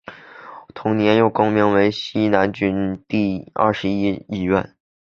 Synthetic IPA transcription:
t̪ʰʊ˧˥ŋnjɛ˧˥njo˥˩ʊko˥ŋmi˧˥ŋwe˧˥ɪɕi˥na˧˥nt͡ɕy˥nt̪i˥˩ɐ̰˥˩ʂɻ̩˧˥i˥i˥˩ɥɛ̰˥˩n

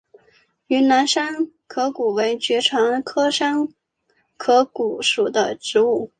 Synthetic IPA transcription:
y˧˥na˧˥nʂa˥n | kʰɤ˧˥ku˨˩we˧˥ɪt͡ɕɥɛ˧˥ʈ͡ʂʰɑ˧˥ŋkʰɤ˥ʂa˥n | kʰɤ˧˥ku˨˩ʂu˨˩d̪ə˦ʈ͡ʂɻ̩˧˥u˥˩

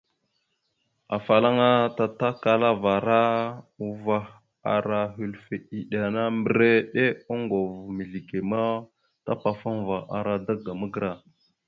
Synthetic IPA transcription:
a̰˨fa˨la˦ŋa˦ta˨ta˦ka˨la˦va˨ɾa˦u˨va˦ | a̰˨ɾa˨ɦi˨lfe˨i˨ɗa˨na˦mbə˨˦ɾe˦ɗe˦o˦ŋɡo˨vmi˨ɮi˨ɡe˨ma˦ | ta̰˦pa˨fa˦ŋ˨va˨a̰˨ɾa˦da˦ɡa˨mə˦ɡɾa˨

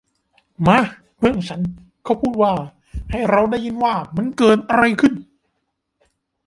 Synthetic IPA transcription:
maː˧˥ | bʰɯ˥˩əŋt͡ɕʰa˦˥n | kʰa˧˩wpʰuː˥˩t̪̚waː˥˩ | ha˥˩jɾa˧wda˥˩jɯ˧˥nwaː˥˩ma˧˥nkɤː˧˩t̪̚ʔa˧ɾa˧jkʰɯ˥˩n

